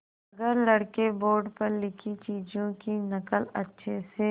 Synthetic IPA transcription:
ɐɡəɾlɐɽkeboːɾɖpɐɾlɪkʰit͡ʃiːd͡ʒõkinɐkəlɐ̰tːʃʰese

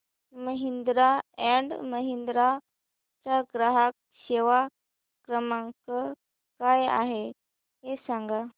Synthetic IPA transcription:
məɦind̪ɾaɛ̃ɳɖməɦind̪ɾa | t͡saɡɾəɦak̚ | ɕeʋa | kɾəmãŋkə | kaja̰ɦe | ɦesãŋɡa

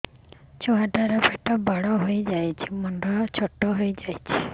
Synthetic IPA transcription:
t͡ʃɔɦadaɾɔbeʈɔbʱaɽɔɦojd͡ʒajt͡ʃʰimɔnɖɔt͡ʃʰɔʈɔɦojd͡ʒajt͡ʃʰi̥

